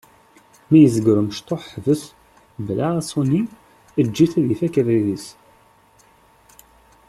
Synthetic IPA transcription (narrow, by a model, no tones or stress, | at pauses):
mæjəzəɡɾəməʃt̪ˤoħvəs | blasˤoni | əd͡ʒːiθæðiθækævælis